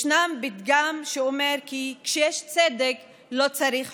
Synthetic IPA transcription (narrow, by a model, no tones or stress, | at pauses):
ʃnambit̪ɡamʃeomeɾkikʃejeʃt͡sed̪ek | lo̞t͡saɾiχ